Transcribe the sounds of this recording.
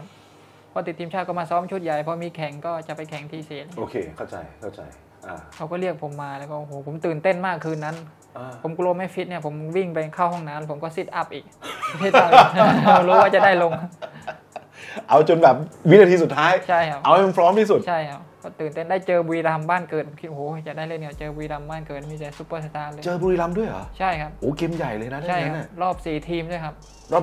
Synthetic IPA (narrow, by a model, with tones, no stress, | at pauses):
kʰa˦˥p̚ʰ | ɔ˦˥˩t̪i˨˩t̪ʰːiː˧mt͡ɕʰaː˥˩t̪̚kɔː˥˩maː˧sɔː˦˥mt͡ɕʰu˦˥t̪̚ja˨˩jpʰɔ˦˥miː˧kʰɛ˨˩˦ŋkɔː˥˩t͡ɕa˨˩pa˧jkʰɛ˨˩˦ŋt̪ʰiː˧˩seː˨˩˦ʔoː˧kʰeː˧kʰa˥˩wt͡ɕa̰˧jkʰa˥˩wt͡ɕa̰˧j | ʔaː˧˩kʰa˦˥wkɔː˥˩li˥˩ək̚pʰo˩˦mːaː˧lɛː˦˥wkɔː˥˩ʔo˨˩hoː˨˦˩pʰo˩˦mt̪ɯː˨˩nt̪e˥˩nmaː˥˩kʰːɯː˧nːa˦˥n | ʔaː˧o˩˦mklu˧ma˦˥˩jfi˦˥t̪̚ni˥˩ɐpʰo˩˦mwi˥˩ŋpa˧jkʰaː˥˩whɔ˥˩ŋnaː˦˥npʰo˩˦mkɔː˥˩si˦˥˩t̪̚ʔa˦˥˩p̚ʔiː˨˩k̚seː˥˧˩tʰːaː˥˩˧ɾuː˦˥˦waː˥˩t͡ɕa˨˩daː˥˩jlo˧ŋ | ʔa˧wt͡ɕo˧nbɛː˨˩p̚wi˦˥na˧t̪ʰiː˧su˨˩t̪ʰːaː˦˥jt͡ɕʰa˥˩jkʰa˦˥p̚ʔa˧whe˧npʰɾɔː˦˥mtʰiː˥˩su˨˩t̪t͡ɕʰa˥˩jkʰa˦˥p̚kɔː˥˩t̪ɯː˨˩nt̪e˥˩ndaː˥˩jt͡ɕɤː˧bu˧iː˧la˧mbaː˥˩nkɤː˨˩t̪̚ʰŋki˦˧˩ʔo˨˩hoː˨˦˩t͡ɕa˨˩daː˥˩jle˥˩na˨˧˩t͡ɕɤː˧bu˧i˧la˧mbaː˥˩nkɤː˨˩t̪̚miː˧t͡ɕa˧jsu˧˦˩pːə˧˩sa˧t̪aː˧lɤ˧t͡ɕɤː˧buː˧ɾiː˧la˧mdu˥˩əjʔa̰˨˦t͡ɕʰa˥˩jkʰa˦˥p̚ʔoː˨˦ke˧mja˨˩jlɤː˧jna˦˥da˥a˩˥˩ana˥˩˧ɾɔː˥˩p̚siː˨˩t̪ʰiː˧mdu˥˩əjkʰa˦˥p̚ | ɾɔː˥˩p